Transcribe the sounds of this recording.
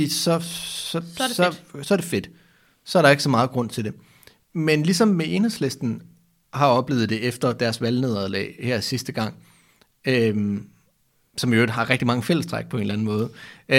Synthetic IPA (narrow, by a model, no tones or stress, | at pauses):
ḭsɒ̽sɒ̽sɒsɒ̽ɐɾ̥e̝fe̝d̥ | sɒ̽ɐɾɑ̈e̝ɡ̥əsɒ̽mɑ̈ːð̞̩ˠɡ̥ʁɔ̽n̰t͡sʰe̝d̥e̝ | menlisɒ̽mːeʔe̝nheslesd̥n̩ | hɑ̈ɒ̽b̥le̝ːð̩ˠd̥e̝efd̥ɐd̥æɐsʋælne̝ð̞ˠæðˠlɛ̰ːɪhæɐ̰sisd̥əɡ̥ɑ̈ŋ̰ | øm | sɒ̽mjoɪɡ̥ɦɑ̈ʁɛɡ̥̚d̥imɑ̈ŋəfel̰əsd̥ʁɑɡ̥̚pʰɒe̝nlæn̩mɔ̽ːð̞̩ˠ